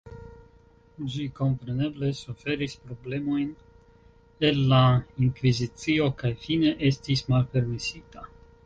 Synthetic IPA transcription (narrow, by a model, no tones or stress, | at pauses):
d͡ʒiko̞mpɾeneblesufe̞ɾisʲpɾoblemojn | elːaiŋkvizit̪sio̞kajfine̞ʔest̪ismalpe̞ɾmisit̪a